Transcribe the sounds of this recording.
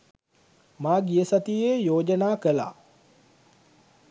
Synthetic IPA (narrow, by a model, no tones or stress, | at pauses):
maːɡijəsat̪ijeːjoːd͡ʒənaːkəla̰ː